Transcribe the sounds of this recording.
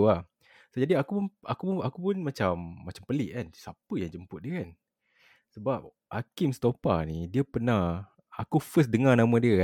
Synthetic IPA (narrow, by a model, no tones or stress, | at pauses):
uah | sod͡ʒadiakupnʔakuʔakupʊnmat͡ʃamːat͡ʃampəlɪʔkansapəjaŋd͡ʒəmpʊt̪̚diəkan | səbap̚ | ʔakimst̪opanidiəpəna | akufəs̬dəŋanãmə̃diək